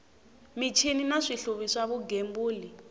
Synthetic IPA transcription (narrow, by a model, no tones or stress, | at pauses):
mit͡ʃʰininaʂiɬuβiʂaβuɡembuːli